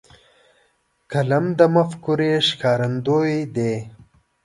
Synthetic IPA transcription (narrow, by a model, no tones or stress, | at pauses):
kɐlɐmd̪ɐmɐfkuɾeːʃkaːɾɐnd̪oːid̪e